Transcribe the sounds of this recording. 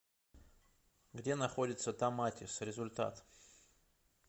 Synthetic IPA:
ɡdʲe̞nɐxo̞dʲɪt̪sət̪amatʲɪsɾʲɪzʊlʲt̪a̰t̪

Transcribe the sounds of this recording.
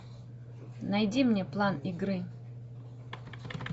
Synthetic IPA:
nɐjdʲimnʲeplˠanɪɡɾɨ

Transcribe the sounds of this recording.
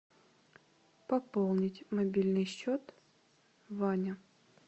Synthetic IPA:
pɐpolˠnʲɪtʲmɐbʲilʲnɨjɕːot̪ | vanʲə

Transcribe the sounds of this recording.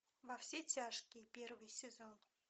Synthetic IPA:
vɐfsʲetʲaʂkʲɪjpʲervɨjsʲɪzon

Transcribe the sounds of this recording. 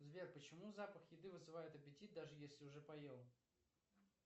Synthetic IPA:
zvʲerpət͡ɕɪmuzapəxjɪd̪ɨvɨzɨvajɪt̪ɐpʲɪtʲit̪̚d̪aʐɨjesʲlʲɪʊʐɛpɐjelˠ

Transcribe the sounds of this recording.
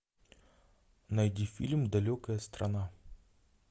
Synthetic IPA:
nɐjdʲifʲilʲmd̪ɐlʲokəjəst̪ɾɐna

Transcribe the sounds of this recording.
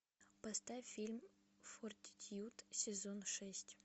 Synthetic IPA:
pɐst̪afʲilʲm | fort̪ʲɪt̪ʲjut̪sʲɪzonʂɛsʲtʲ

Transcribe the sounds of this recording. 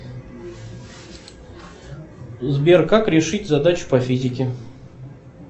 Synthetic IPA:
zbʲerkakɾʲɪʂɨtʲzɐd̪at͡ɕʊ̥pɐfʲizʲɪkʲɪ

